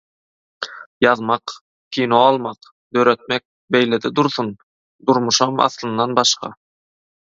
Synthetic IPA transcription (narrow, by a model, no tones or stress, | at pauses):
jɑðmɑq | kʰʲiːnoɑlˠmɑq | d̪̥ø̞ɾøt̪̚mek̚ | bejled̪id̪uɾθun | d̪uɾmuʃɑmɑ̰θlˠɯnd̪ɑnbɑʃqɑ̰